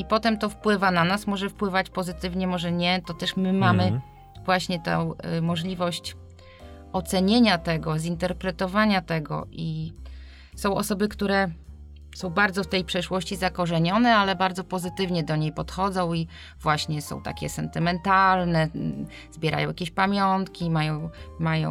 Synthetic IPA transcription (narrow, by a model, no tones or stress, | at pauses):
ipɔt̪ɛmt̪ɔfpwɘvananasmɔʐɛfpwɘvat͡ɕpɔzɘt̪ɘvɲɛmɔʐɛɲɛt̪ɔt̪ɛʂmɘmamɘ | vwaɕɲɛt̪ɛ̰wmɔʐlʲivɔɕt͡ɕ | ɔt̪sɛɲeɲat̪ɛɡɔzint̪ɛɾpɾɛt̪ɔvaɲat̪ɛɡɔ̰ʔi | sɔ̃w̃ɔ̰sɔbɘkt̪uɾɛ | sɔ̃w̃baɾd̪zɔft̪ɛjpʂɛʂwɔɕt͡ɕizakɔʐɛɲɔnɛalɛbaɾd̪zɔpɔzɘt̪ɘvɲɛd̪ɔɲejpɔt̪xɔd̪zɔ̃w̃i | vwaɕɲɛsɔ̰̃w̃t̪a̰kʲɛ̰sɛnt̪ɘmɛnt̪alnɛ | zbʲjɛɾʔa̰jɔ̃wjakʲeɕpamʲjɔnt̪kʲimajɔ̃w̃majɔ̰̃w